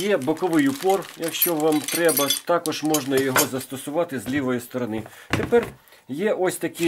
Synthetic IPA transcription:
jɛbɔkɔʋɪjʊpɔrjɐkʃt͡ʃɔʋɑmt̪ɾɛbɐt̪ɑkɔʒmɔʒnɐjɔɦɔzɐst̪ɔsʊʋɑt̪ɪzlʲiʋɔjʊst̪ɔɾɔnɪt̪epɛr | jɛʔɔsʲt̪ɐkɪ

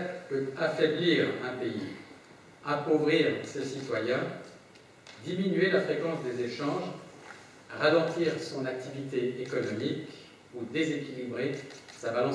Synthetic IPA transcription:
pøt̪afɛbliʁɛ̃pei | akovʁiʁsesit̪wajɛ̃ | d̪iminɥelafχekɑ̃sd̪ezeʃɑ̃ʒ | ʁalɑ̃t̪iʁsɔ̃nak̚t̪ivit̪eekɔnɔmik | ud̪ezekʲilibʁesabalɑ̃

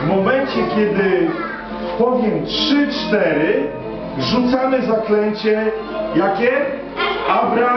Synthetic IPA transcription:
vmɔmɛɲt͡ɕɛkʲjɛd̪ɪ | pɔvʲjɛmtʂɨt͡ʂt̪ɛɾɘ | ʐut̪samɘzaklɛɲt͡ɕɛ | jakʲɛ | abɾa

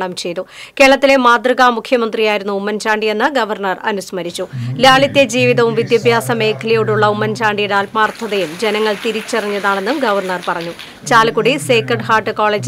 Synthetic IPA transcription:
ɭɐmt͡ɕe̞jt̪u | ke̞ːɐɭɐt̪ːile̞maːd̪rɐɣamukʰjɐmɐnd̪rijaːjiɾunːuumːɐnt͡ɕaːɳɖije̞nːɨɡɐʋɐrɳɐrɐ̰nusmɐɾit͡ɕːulaːɭit̪ːe̞d͡ʑiːʋiðɐʋumʋid̪jɐbʱjaːsɐme̞ːkʰɐlijoːɽuɭːɐumːɐnt͡ɕaːɳɖijeɽaːlmaːrt̪ʰːɐðɐjumd͡ʑe̞nɐŋːɐɭt̪iɾit͡ɕːɐrɐɲːɐðaːɳe̞nːumɡɐʋɐrɳɐrpɐrɐɲːu | t͡ɕaːlkuɽiseːkɐɖɨhaːʈːɨko̞ːɭeːd͡ʑ

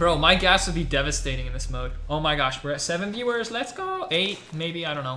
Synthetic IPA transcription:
b̥oʊmaɪɡæswɨd̚ˠbidɛvɨsteɪɾɪ̃ŋɨ̃nðɪsmoʊdoʊmaɪɡɑʃb̥ɛsɛvɨ̃nvjʉə˞zlɛtsɡ̥oʊeɪt̚meɪbiaɪɾõʊ̃noʊ

